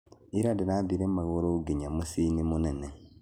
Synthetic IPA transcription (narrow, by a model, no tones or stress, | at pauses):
iɾadiɾadiɾemaɣoɾoɡiɲamusinimunene